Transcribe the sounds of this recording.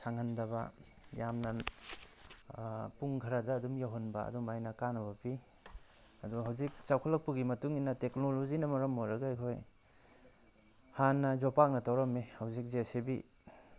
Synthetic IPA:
sʰaŋandɐbɐ̰ | jamnɐ | puŋɡʰʱɐɾadɐːdumjaɦɔnba̰ɐ̰dumajnɐkanɐβɐpi | ɐduɦawzik̚t͡ʃawkʰalɐk̚puɡimɐtuŋinːɐteknolozinɐmɐɾɐmːojɾɐɡajkʰoj | hanːɐzopak̚nɐtawɾɐmehawzik̚zesebḭ

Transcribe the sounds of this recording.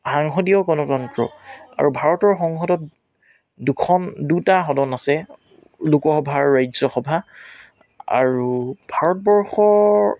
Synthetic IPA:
xaŋɦɔdiɔɡɔnɔtɔntɹɔ̰a̰ɹubʱaɹɔtɔɹxɔŋxɔdɔt | dukʰɔndutaxɔdɔnasɛ | lukɔxɔbʱaɹːajzɔxɔbʱa | a̰ɹubʱaɹɔt̚bɔɹxɔɹ

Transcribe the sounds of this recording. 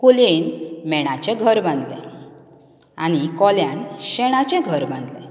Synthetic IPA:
kulenmɛɽ̃at͡ɕɛ̃ɡʱəɾbãnd̪lɛ̰̃ | a̰ñikɔljãnɕɛɽ̃at͡ɕɛ̃ɡʱəɾbãnd̪lɛ̰̃

